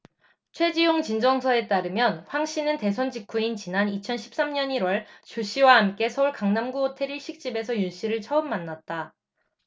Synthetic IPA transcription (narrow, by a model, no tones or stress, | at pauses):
t͡ɕʰwe̞d͡ʑijoŋt͡ɕind͡ʑʌŋsʰʌe̞t͈aɾɯmjʌnɸwaŋɕ͈inɯnte̞s̬ʰʌnd͡ʑikʰuint͡ɕinanit͡ɕʰʌnɕʰi̥p̚s͈amɲʌɲiɾwʌɭt͡ɕoɕ͈ʰiwaɦamk͈e̞sʰʌuɭkaŋnamɡuotʰe̞ɾiɭɕ͈ʰik̚t͡ɕ͈ibe̞sʰʌjunɕ͈iɾɯɭt͡ɕʰʌɯmːanːat̚t͈a